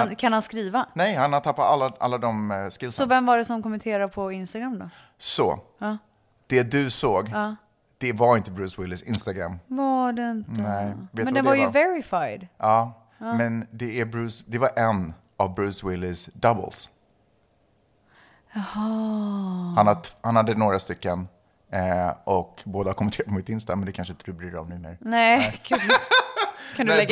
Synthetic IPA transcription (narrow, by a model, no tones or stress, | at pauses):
kʰanhanskɾiːvanɛjhanhat̪ʰapːatalːaʔa̰lːad̪ɔmskɪlːsɔvɛmvaɖɛsɔmkɔmɛnt̪ʰeːɾapʰɔɪnst̪aɡɾamːd̪ɔ̰ | sɔ̰ | d̪̥ɛd̪ɵsoːɡ | d̪̥ɛvaɾɪnt̪əbɾʉːswɪlːɪsɪnst̪aɡɾa̰mːvaɖɛɪnt̪nəɛveːt̪ɛnd̪ɛnvaɾjəvɛɾɪfajd̪ʔɑː | mɛnd̪ɛæɾbɾʉ̟ːsd̪ɛvaɾʔɛn | avbɾʉ̟ːswɪlːɪsd̪abə̰ls | ahɔ | hanhat̪hanhad̪ːənoːɡɾast̪ʏkːən | ʔɔkboːd̪ahaɾkʰɔmənʰeːɾat̪pʰɔmɪt̪ɪnst̪amɛnd̪ɛkʰanʂəɪnt̪əd̪ɵbɾyːd̪əɾɔ̰mnʉːmḛːɾnɛkʰ | kʰãnd̪ɛ